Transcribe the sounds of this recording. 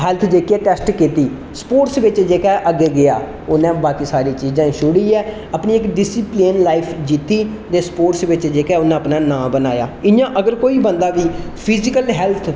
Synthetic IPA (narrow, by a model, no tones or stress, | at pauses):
ɦɛlt̪ʰd͡ʒeːkeːʈɛːsʈkiːt̪iː | spoːʈsʋɪt͡ʃd͡ʒeːkɛːʔəɡeːɡɪa̰ː | ʊnẽːbaːkiːsaːɾiːt͡ʃiːzãːʃʊɽiːɛː | apnĩːɪkɖɪsiplenlaːɪpʰd͡ʒiːt̪iːt̪eːspoːʈsʋɪt͡ʃd͡ʒeːkɛːʊnãːəpnãːnãːbənaːja̰ːɪnjãːʔəɡəɾkoːiːbənd̪aːʋiːpʰɪzɪkəlɦɛːlt̪ʰ